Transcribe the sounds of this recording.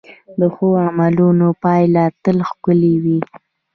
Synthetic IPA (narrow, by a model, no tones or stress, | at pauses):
d̪əxoamalunopɑjlɑt̪əlxkʊliwi